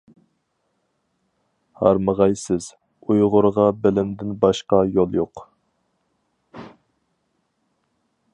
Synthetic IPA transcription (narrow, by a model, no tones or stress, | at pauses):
hɑ̰ɾməʁɑjsɪz̥ | ujʁʊɾʁɑbɛlɪnd̪ɪnbɑʃqɑjolˠjoq